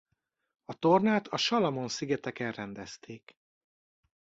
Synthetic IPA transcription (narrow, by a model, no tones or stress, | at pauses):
ɒt̪o̞rnaːt̪ʰɒʃɒlɒmo̞nsiɡɛt̪ɛkɛnrɛnd̪ɛst̪ʰeːk